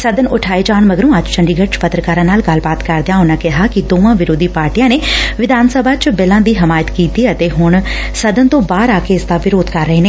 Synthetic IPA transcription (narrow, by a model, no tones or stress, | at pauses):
səd̪ənʊʈʰaːeːd͡ʒaːɳməɡəɾõːəd͡ʒt͡ʃəɳɖiːɡəʈt͡ʃpət̪ɾəkaːɾãːnaːlɡəlbaːt̪kəɾd̪ɪjãːɦʊnãːkɪɦaːkɪd̪oːʋãːʋɪɾoːd̪ʱiːpaːɾʈijãːneːʋɪd̪ʱaːnsəbʱaːt͡ʃbɪlãːd̪iːɦɪmaːjət̪kiːt̪iːət̪eːɦʊɳ | səd̪ənt̪õːbaːɾaːkeːɪsd̪aːʋɪɾoːd̪kəɾːəɦeːneː